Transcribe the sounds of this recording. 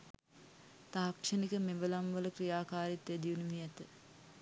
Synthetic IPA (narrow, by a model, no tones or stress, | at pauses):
t̪aɦakʂənikəmeʋəlamʋələkrijaːkaːɾit̪ʋed̪iunuʋiɛt̪ə